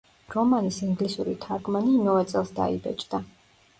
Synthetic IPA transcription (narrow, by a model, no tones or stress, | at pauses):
ɾɔmanisiŋɡlisuɾḭt̪ʰaɾɡmaniːmɔvɛt̪sʼɛlˠsd̪a̰ḭbɛ̰t͡ʃʼd̪a